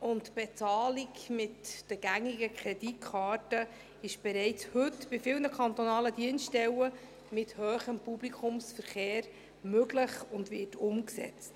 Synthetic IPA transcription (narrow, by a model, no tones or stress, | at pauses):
ʊntb̥ɛt͡sɑːliɡmɪtd̥əɡ̥æŋiɡəkʰɾɛdit̚kʰχɑːɾtə | ɪʃb̥ɛɾɛɪt͡shɵtb̥ɪfɪlnəkʰɑnt̪ɔnɑːlədiənstɛwə | mɪthøːχəmpublikʰʊmsfəɾχeːɾ | møɡləχʊndvɪtʊmksɛ̰t͡st